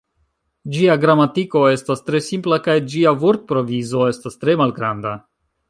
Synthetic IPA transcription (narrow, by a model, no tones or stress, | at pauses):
d͡ʒiaɡɾamatiko̞e̞stastɾe̞simplakajd͡ʒiavuɾt̪̚pɾo̞vizo̞e̞stastɾe̞malɡɾanda